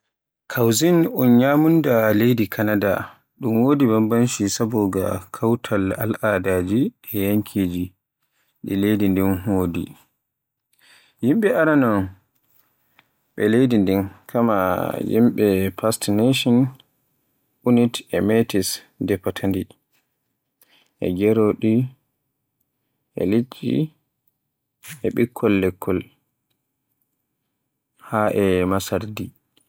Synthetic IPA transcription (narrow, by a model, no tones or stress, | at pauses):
kʰawzinɔnɲamundalejdikʰanada | ɗumwoːdibambanʃisabɔɡa̰kʰawtʰalalʔadaːd͡ʒi | ɛjaŋkʰid͡ʒi | ɗɛ̰lejdindinhoːdḭ | jimɓɛaɾanɔn | ɓɛ̰lejdindinkʰama̰jḭmɓɛpastneʃɔn | unitɛmetis | dɛpːatʰandi | ʔɛ̰ɡɛɾoɗi | ʔɛ̰lit͡ʃːḭ | ɛɓikʰːɔlːɛkʰːɔl | haʔɛmasaɾdi